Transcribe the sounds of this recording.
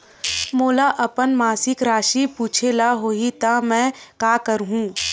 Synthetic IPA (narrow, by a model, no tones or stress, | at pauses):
moːlaʔɐpənmaːsɪkɾaːʃipuːt͡ʃʰelaɦoːit̪amɛ̃ːkaːkəɾɦũː